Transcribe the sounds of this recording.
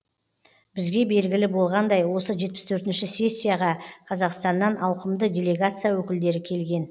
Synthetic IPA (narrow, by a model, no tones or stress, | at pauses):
bɪzɡʲe̞be̞lɡʲɪlɪbo̞lˠʁɑnd̪ɑjwo̞səʒe̞t̪pɪ̥st̪ʰɵɾt̪ɪnʃɪsʲe̞sʲːijaʁɑqʰɑzɑqst̪ɑnːɑnʔɑwqəmd̪ədʲe̞lʲe̞ɡat̪sɨjawɵkʲɪld̪e̞ɾɪkʲʰe̞lɡʲe̞n